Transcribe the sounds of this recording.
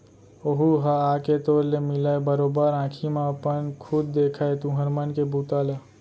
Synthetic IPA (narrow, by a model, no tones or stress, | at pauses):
oɦuɦaaːket̪oːɾlemɪlaebəɾoːbəɾãːkʰimãəpənkʰʊd̪̚ːeːkʰaet̪ũɦɐɾmənkebʱuːt̪aːla